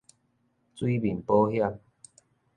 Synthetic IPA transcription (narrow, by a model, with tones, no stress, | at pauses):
t͡swi˦bi˨˩npo˦hja˥˧˨m